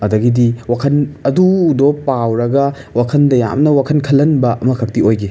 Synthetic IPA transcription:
ɐdɐɡidiwakʰɐnɐdudopawɾɐɡɐ | wakʰɐndɐja̰mnɐwakʰɐnkʰɐlːɐnbɐʔɐmɐkʰɐp̚tiojɡi

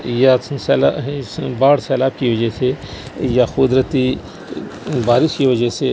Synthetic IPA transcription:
jassɛːlaɦbaːɽsɛːlaːb̚kiʋəd͡ʒɛsejaxʊd̪ɾət̪i | baːɾɪʃkiʋəd͡ʒɛse

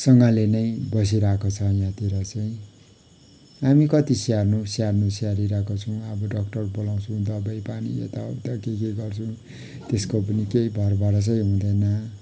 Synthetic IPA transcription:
sʌŋɡalenʌjbʌs̬iɾakot͡sʰʌjãt̪iɾʌt͡sʌĩ | ɦamikʌt̪isarnusjarnũsaɾiɾakot͡sʰʌw̃ʌbʌɖʌk̚ʈʌrbolãw̃t͡sʰũw̃d̪ʌbajpaniḛt̪aʌ̰t̪ʌkek̬eɡʌrt͡sʰuw̃ | t̪eskop̬ʌnikejbʱʌrbaɽʌt͡sʌj̃ɦũd̪ʌjnʌ

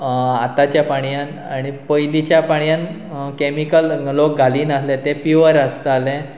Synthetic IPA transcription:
at̪at͡ɕjapaɽ̃jãn | aɽ̃ipəjlit͡ɕjapaɳjãn | kemikəllok̚ɡʱaliːnəslẽt̪epiʋəɾəst̪alẽ

